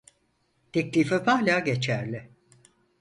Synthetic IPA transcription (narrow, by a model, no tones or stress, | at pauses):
t̪ʰɛclʲiːfɛpahlʲaːɟe̞t͡ʃʰæɾlʲɪ